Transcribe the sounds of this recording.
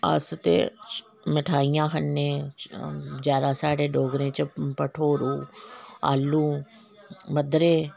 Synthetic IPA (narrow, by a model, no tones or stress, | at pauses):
a̰ːst̪ḛ | mɪʈʰaːijãːkɐnːẽː | d͡ʒaːɾaːsaːɽeːɖoːɡɾẽːt͡ʃɐpəʈʰoːɾũːa̰ːlːũː | mɐd̪ɾeː